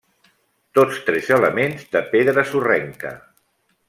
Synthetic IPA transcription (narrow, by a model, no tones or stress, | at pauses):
t̪ot͡st̪ɾɛzələmenzðəpeðɾəsurɛŋkə̰